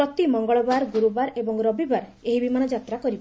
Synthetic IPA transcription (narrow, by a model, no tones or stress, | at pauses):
ɔt̪imɔŋɡɔɭɔbaɾɡuɾubaɾebɔŋɾɔbibaɾeɦibimanɔd͡ʒat̪ɾakɔɾib